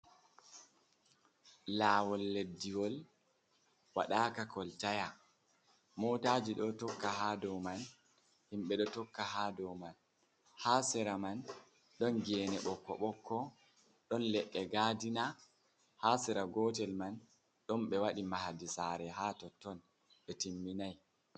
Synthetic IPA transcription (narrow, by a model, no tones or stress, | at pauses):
laːwɔlːedːiwɔl | wa̰ɗaːkakɔltaja | mɔːtaːd͡ʒiɗɔtɔkːaɦaːdɔman | himɓɛɗɔtɔkːahaːdɔwman | haːsɛɾaman | ɗɔnɡɛːnɛɓɔkːɔ̰ɓɔkːɔ | ɗɔnlɛɗːɛɡaːdina | hasɛɾaɡɔːtɛlman | ɗɔmɓɛwaɗimahadisaɾɛɦaːtɔtːɔn | ɓɛtimːinaj